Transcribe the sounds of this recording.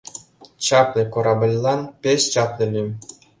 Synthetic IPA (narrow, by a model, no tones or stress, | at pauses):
t͡ɕɑplʲĕkoɾɑbɤ̆lʲlˠɑnpʲeɕt͡ɕɑplʲĕlʲimʲ